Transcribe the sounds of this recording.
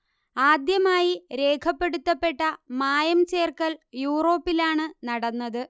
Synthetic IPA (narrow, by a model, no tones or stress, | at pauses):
aːd̪jɐmaːjiɾe̞ːkʰɐpːe̞ɽut̪ːɐpːe̞ʈːɐmaːjɐmt͡ɕe̞ːrkɐljuːro̞ːpːilaːɳɨnɐɽɐnːɐðɨ